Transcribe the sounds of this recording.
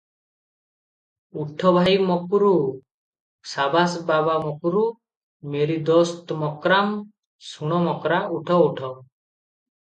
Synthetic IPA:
uʈʰɔbʱajmɔkuɾu | sabasbabamɔkuɾu | meɾid̪ɔst̪mɔkɾam | suɽ̃ɔmɔkɾauʈʰɔuʈʰɔ

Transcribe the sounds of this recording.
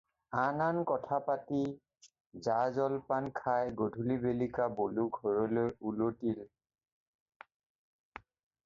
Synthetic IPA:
anankɔtʰapati | zazɔlpankʰajɡodʱulibelikaboluɡʱɔɹɔlojulotil

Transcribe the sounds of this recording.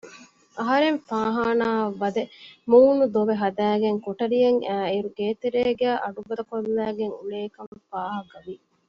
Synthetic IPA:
ɐɦɐɾeɱfaːɦaːnaːʋːɐd̪emuːnud̪oʋeɦɐd̪æːɡeŋkoʈɐɾijɐŋæːiɾuɡeːt̪eɾeːɡæːʔɐɖubɐd̪ɐkolːæːɡeŋuleːkɐmfaːɦɐkɐʋi

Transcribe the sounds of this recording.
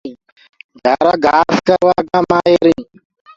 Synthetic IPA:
ɡʱaɾaɡafkaʋaɡamajeɾĩ

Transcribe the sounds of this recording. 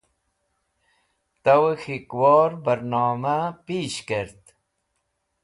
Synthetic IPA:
t̪ɐwxikwɔːɾbəɾnɑːmapiːɕkeɾt̪

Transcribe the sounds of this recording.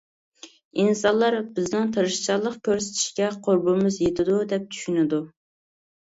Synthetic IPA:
insɑnlˠɑɾbɪznɪŋt̪ʰɨɾɨʃt͡ʃʰɑlˠəqkʲʰøɾsɪ̥t̪ʰi̥ʃkʲɛqʰoɾbɨmɨzjet̪ʰɪd̪ud̪ɛp̚t͡ʃ̪ʰy̥ʃynɪd̪u

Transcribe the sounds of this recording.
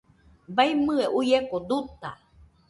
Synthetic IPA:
bajmɨeʔujekod̪ut̪a

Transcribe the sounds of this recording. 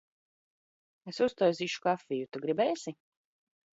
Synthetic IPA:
esust̪ɔjziːʃu̥kafʲːijut̪uɡɾibɛːsi

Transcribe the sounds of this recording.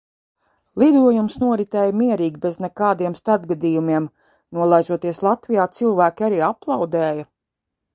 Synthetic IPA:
lˠid̪uɔjumsnuɔɾit̪ɛːjmiɛɾiːɡʲibeznɛkaːd̪iɛmst̪aɾb̚ɡad̪iːjumiɛm | nuɔlˠajʒuɔt̪iɛslˠat̪vijaːt̪silˠvæːkʲiaɾiːaplˠɑwd̪ɛːja

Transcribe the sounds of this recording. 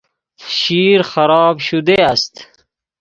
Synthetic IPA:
ʃiɾxaɾɑːbʃud̪east̪

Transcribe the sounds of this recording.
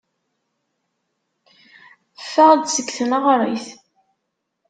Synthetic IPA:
fːæʁd̪səɡθənəʁɾˤḭθ

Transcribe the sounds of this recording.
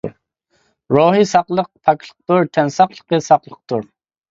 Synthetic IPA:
ɾoːɦisɑqlˠəq̚pʰɑklʰˠə̥q̚t̪uɾt̪ʰɛnsɑqlˠə̥qəsɑqlˠəq̚t̪ʰuɾ

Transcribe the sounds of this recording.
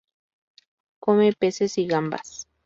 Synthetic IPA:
komepesesiɣamba̰s

